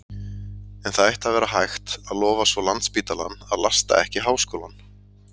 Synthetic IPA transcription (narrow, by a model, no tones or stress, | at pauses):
ɛnθaðɛht̪avɛːɾaɦajxt̪aðlɔːvasvɔlant̪spiːt̪ala̰nːaðlast̪a̰ʔɛhcɪɦaːwskoːwlan